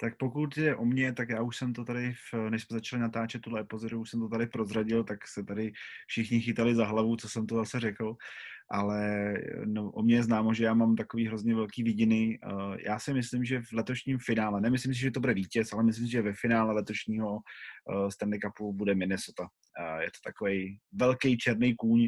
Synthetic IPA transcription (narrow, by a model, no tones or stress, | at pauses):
t̪ak̚pokut̪jɛʔomɲɛt̪akjaːuʃsɛmt̪ot̪adɪfnɛʃsmɛzat͡ʃalɪnat̪aːt͡ʃɛt̪̚ːudlɛɛpozɪɾuuʃsɛmt̪ot̪adɪpɾozraɟɪlt̪aksɛt̪adɪfʃɪxɲɪxɪt̪alɪzaɦlavut͡so̞sɛmt̪ozasɛrɛkl̩ʔalɛnoʔomɲɛjɛznaːmoʒɛjaːmamt̪akoviːɦɾo̞zɲɛvɛlkiːvɪɟɪnɪjʔa̰ːsɪmɪslɪmʒɛvlɛt̪o̞ʃɲimfɪnaːlɛnɛmɪslɪms̬ɪʒɛt̪obudɛviːcɛsalɛmɪs̬lɪms̬ɪʒɛvɛfɪnaːlɛlɛt̪o̞ʃɲiːɦo̞ | st̪ɛnd̪ɪkapubudɛmɪnɪsot̪a | jɛt̪ot̪akovɛjvɛlkɛjt͡ʃɛɾnejkuːɲ